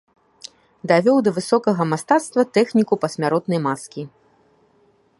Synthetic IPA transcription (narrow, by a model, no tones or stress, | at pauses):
d̪avʲɔwd̪ɐvɨsɔkɐɣɐmast̪at̪st̪vɐt̪ɛxnʲikupɐsʲmʲaɾɔt̪nɐjmaskʲi